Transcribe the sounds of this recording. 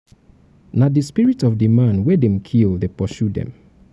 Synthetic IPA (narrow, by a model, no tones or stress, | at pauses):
nadispiɹitɔfdɨmãnwɛdɛ̃mkʰilˠdepɔʃudɛ̰̃m